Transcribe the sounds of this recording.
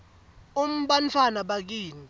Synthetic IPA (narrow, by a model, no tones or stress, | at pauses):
um̩ɓant͡fʰwanaɓak̬iːni